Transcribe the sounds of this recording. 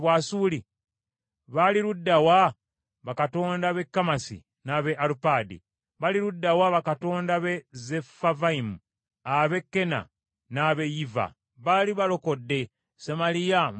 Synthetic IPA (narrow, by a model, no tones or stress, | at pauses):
βwaːsuːli | βaliɾudːawa | βakato̞ːndaβe̞kːamasḭ | naβeʔaɾupaːdḭ | βaliɾudːawaβakato̞ːndaβezefavaimu | aβe̞kːe̞na̰ | naβe̞jiva̰ | βaliβalo̞kodːe̞ | semalija